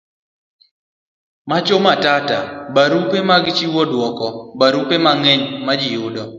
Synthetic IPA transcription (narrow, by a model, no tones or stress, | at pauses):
mat͡ʃomatatabaɾupemaɡt͡ʃiwɔdwɔkɔbaɾupemaŋeɲmad͡ʒɪjʊdɔ